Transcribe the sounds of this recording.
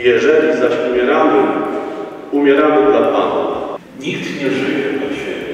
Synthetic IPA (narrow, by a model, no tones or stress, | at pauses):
jɛʐɛlʲizaɕumʲjɛɾamɘ | umʲjɛɾamɘlat̪pa̰nɔ̰ | ɲikt̪ɲɛʐɘjɛpɔɕɛ̰